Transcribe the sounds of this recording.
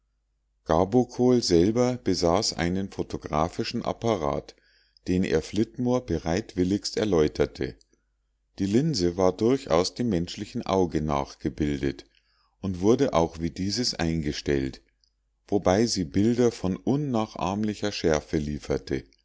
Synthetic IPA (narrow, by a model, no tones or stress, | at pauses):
ɡ̥abokʰoːlzɛlbɐb̥əzaːsʔa̰ɪnənfotʰoɡʁa̰ːfɪʃn̩ʔa̰paʁa̰ːt | d̥eːnʔḛːɐflɪtmoːɐbəʁaɪtv̥ɪlɪçstɛɐlɔʏtʰɐtʰə̰ | d̥iːlɪnzəvaːɐdʊɐçʔa̰ʊsd̥eːmːɛnʃlɪçn̩ʔa̰ʊɡəna̰ːχɡ̥əbɪldət | ʔʊntv̥ʊɐdəʔaʊxv̥iːdiːzəsʔa̰ɪnɡəʃtɛ̰lt | v̥obaɪziːbɪldɐfɔnʔʊnːaːχʔa̰ːɐmlɪçɐʃɛɐfəliːfɐtʰə̰